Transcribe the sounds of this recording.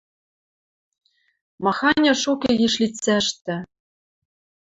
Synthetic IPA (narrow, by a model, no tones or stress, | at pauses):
mɑxɑnʲɤ̆ʃukʲĕjiʃlʲitt͡sæʃt̪ɘ̆